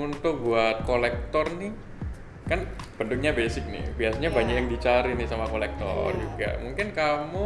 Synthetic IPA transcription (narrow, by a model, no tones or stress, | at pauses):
unt̪ʊk̚buat̪̚kolɛk̚t̪ɔrnɪ | kanb̥ənd̪ʊk̚ɲabesɪk̚nɪ̰biasaɲabaɲak̚jaŋdit͡ʃaɾɪnɪsamakolɛk̚t̪ɔ̰rd͡ʒuɡa̰ʔmuŋkɪnkamu